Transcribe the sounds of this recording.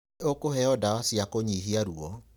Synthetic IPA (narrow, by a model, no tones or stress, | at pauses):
okohɛɔdaasiakoɲiɦiaɾuɔ